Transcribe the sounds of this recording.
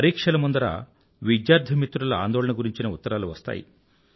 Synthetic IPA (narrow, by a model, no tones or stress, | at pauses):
ɐɾiːkʂɐlɐmund̪ɐɾa̰ː | ʋid̪jaːɾd̪ʱɐmit̪ːɾulɐa̰ːnd̪ɔːɭɐnɐɡuɾiɲt͡ʃinɐut̪ːɐɾaːluʋɐst̪a̰ːjḭ